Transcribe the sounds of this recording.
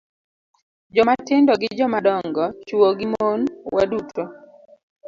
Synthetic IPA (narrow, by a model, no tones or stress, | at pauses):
d͡ʒɔmatɪndɔɡɪd͡ʒɔmadɔŋɡɔt͡ʃuwoɡɪmonwa̰dutʰo